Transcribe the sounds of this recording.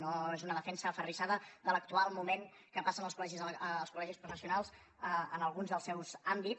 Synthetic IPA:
noezunəðəfɛnsəːfəriʃaðəðələk̚t̪ualˠmumeŋ | kəpasənəlˠskulɛʒizːlˠskulɛʒispɾufəsiunalˠz | əənəlˠɣunzðəlˠsɛwzambit

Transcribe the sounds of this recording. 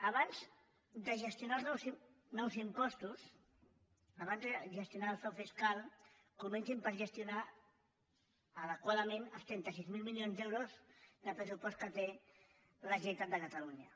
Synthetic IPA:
aβanz | d̪əʒəst̪junalˠzs | nɔwzimpɔst̪us | aβanzðəʒəst̪junaːlˠfɔfiskalˠ | kumɛnsimpəɾʒəst̪juna | əðəkwaðəmẽnəlˠst̪ɾɛnt̪əs̬izmilˠmiljonzd̪ɛwɾozd̪əpɾəs̬upɔst̪̚kət̪e | ləʒit̪at̪̚d̪əkət̪aluɲə

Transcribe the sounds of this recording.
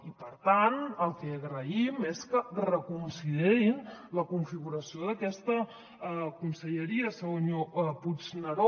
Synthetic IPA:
ipəɾt̪anəlˠkɛəɣɾəimeskərəkunsiðeɾinləkuɱfiɣuɾəsioðəkɛst̪ə | kumsəʎəɾiəsəɣoɲopud͡znəɾo

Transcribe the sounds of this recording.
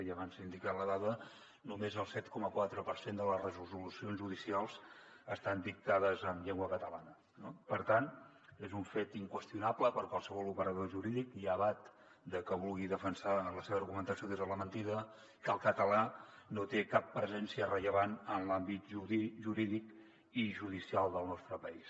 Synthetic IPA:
əʎəβansind̪ikaləðaðə | numezəlˠsɛt̪kɔməkwat̪ɾəpəɾsend̪ələzrəzuzulusionʒuð̞isialˠzəst̪and̪ik̚t̪að̞əzəmʎeŋɡwəkət̪əlanə | nopəɾt̪an | ezuɱfet̪iŋkwəst̪iunapləpəɾkwalˠsəβ̞ɔlˠupəɾəðoʒuɾiðikiəβat̪ | d̪əkəβulˠɣiðəfənsaləseβəːrɣumənt̪əsioðezðələmənt̪iðə | kəlˠkət̪əlanot̪ekapːɾəzɛnsiərəʎəβanənlambit̪ʒuiʒuɾiðik | iʒuð̞isialˠd̪əlˠnɔst̪ɾəpəis

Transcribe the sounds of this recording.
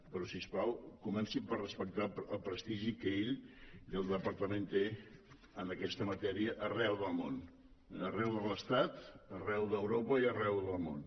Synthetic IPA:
pəɾɔsispawlˠkumɛnsipərrəspək̚t̪aəlˠpɾəst̪iʒikəeʎəlˠd̪əpəɾt̪əment̪e | ənəkɛst̪əmət̪ɛɾiəʔːrɛwðəlˠmon | ərɛwðələst̪at̪ərɛwðəwɾopəiərɛwðəlˠmo̰n

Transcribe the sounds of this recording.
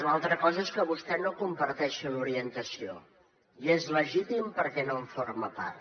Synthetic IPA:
lalˠt̪ɾəkɔzəeskəβust̪ɛnokumpəɾt̪ɛʃəluɾiənt̪əsio̰ | iezləʒit̪impəɾkɛnoɱfoɾməpa̰rt̪

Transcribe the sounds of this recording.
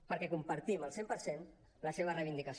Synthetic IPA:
pəɾkɛkumpəɾt̪iməlˠsempəɾsen | ləseβ̞ərəjβind̪ikəs

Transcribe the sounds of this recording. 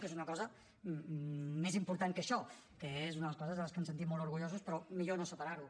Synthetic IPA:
kezunəkɔzə | ezimpuɾt̪aŋkəʃɔ | kəezunəðələskɔzəzələskems̬ənt̪itmɔlˠt̪uɾɣuʎozuspɾɔmiʎonosəpaɾaɾu

